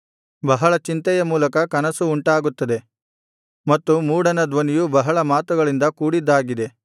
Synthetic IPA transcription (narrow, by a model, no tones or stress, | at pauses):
bɐɦɐɭɐt͡ʃint̪ɐjɐmuːlɐkɐkɐnɐsuːɳʈaːɡut̪ːɐd̪e | mɐt̪ːumuːɽɐnɐd̪ʋɐnijubɐɦɐɭɐmaːt̪uɡɐɭind̪ɐkuːɽid̪ːaːɡid̪e̞